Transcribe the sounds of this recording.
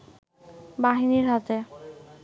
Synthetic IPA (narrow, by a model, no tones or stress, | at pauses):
baɦiniɾɦat̪e